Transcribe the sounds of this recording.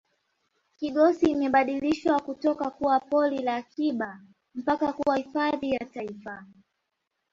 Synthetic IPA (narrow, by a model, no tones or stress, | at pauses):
kiɠɔsiːmɛɓaɗiliʃwakutɔkakuwapɔlilaːkiɓa | m̩pakakuwahifaðijataifa